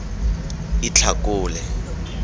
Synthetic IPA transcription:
it͡ɬʰakʊːlɛ

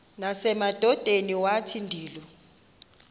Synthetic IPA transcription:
nasɛmad̥ʱɔd̥ʱeniwatʰindʱiːlɔ

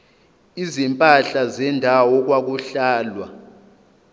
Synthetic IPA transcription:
izimpʼaɬazɛndʱawɔk̬wak̬uɬaːlwa

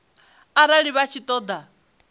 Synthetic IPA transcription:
aɾaɺiβat͡ʃʰit̪ʼɔːd̪a

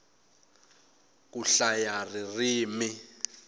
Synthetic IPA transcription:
kuɬajaririːmi

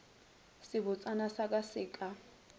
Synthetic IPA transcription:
sɪβʊt͡sʼanasakʼasɪːkʼa

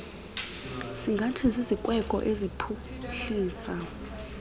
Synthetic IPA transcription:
siŋɡʱatʰizizikʼwɛkʼɔ̰ʔezipʰu | ɬiːsa

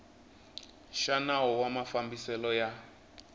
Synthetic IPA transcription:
ʃanaɦɔwamafambisɛlɔja

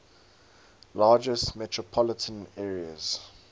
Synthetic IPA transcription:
lɑːd͡ʒəstmɛtʰɹ̥ɔpʰɔlətʰə̃nɛːɹiə̰z̥

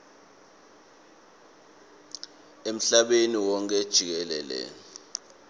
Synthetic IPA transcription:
em̩ɬaɓeniwɔŋk̬ʼɛd̥ʒ̥ʱik̬ɛlɛ̰ːlɛ̰

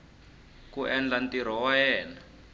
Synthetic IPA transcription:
kuʔɛnd͡ɮantiɾ̤ɔwajɛːna

